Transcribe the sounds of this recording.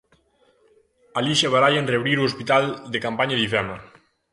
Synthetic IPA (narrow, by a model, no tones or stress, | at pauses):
aliʃaβaɾajenreβɾiɾuospit̪ald̪ekampaɲaðifɛma